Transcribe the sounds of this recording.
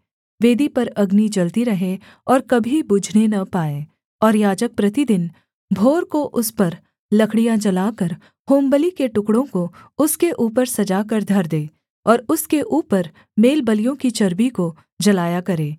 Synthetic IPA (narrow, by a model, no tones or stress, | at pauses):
ʋeːd̪ipɐɾɐɡnid͡ʒɐlt̪iɾɐɦẽ | ɔːɾkɐbʱibʊd͡ʒʱnenɐpaːẽː | ɔːɾjaːd͡ʒək̚pɾɐt̪id̪ɪn | bʱoːɾkoʔʊspɐɾ | lɐkʰɽijãd͡ʒɐlaːkɐɾ | hoːmbəlikeʈʊkɽõkoʊskeʔuːpəɾsɐd͡ʒakɐɾd̪ʱɐɾd̪eː | ɔːɾʊskeʔuːpəɾ | meːlbɐlijõkit͡ʃɐɾbiko | d͡ʒɐlaːjakɐɾẽː